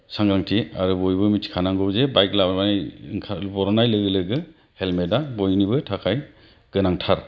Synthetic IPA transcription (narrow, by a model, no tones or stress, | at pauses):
saŋɡaŋtʰia̰ɾubɔjbɯmitʰi̥kʰanaŋɡɔbzebajk̚labajŋkʰabɔɾɔnajlɯɡɯlɯɡɯ | helmedabɔjnibɯtʰakʰaj | ɡ̥ɯnaŋtʰaɾ